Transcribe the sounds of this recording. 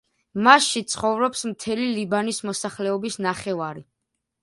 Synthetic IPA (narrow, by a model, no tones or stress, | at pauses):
masʃit̪sʰχɔvɾɔpsmt̪ʰɛlilibanismɔsaχlɛɔbisnaχɛvaɾi